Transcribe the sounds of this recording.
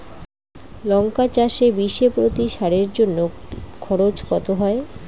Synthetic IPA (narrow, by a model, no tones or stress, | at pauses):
lɔŋkat͡ɕaʃebiʃepɾot̪iʃaɾeɾd͡ʑonːokʰɔɾot͡ɕkɔt̪oɦɔe